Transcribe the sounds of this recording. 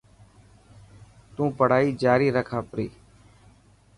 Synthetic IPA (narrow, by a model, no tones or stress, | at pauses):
t̪ũːpəɽ̤aːiːd͡ʒaːɾiːɾəkʰaːpɾiː